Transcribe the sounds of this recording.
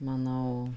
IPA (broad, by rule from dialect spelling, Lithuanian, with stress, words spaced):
mɐˈnɐʊ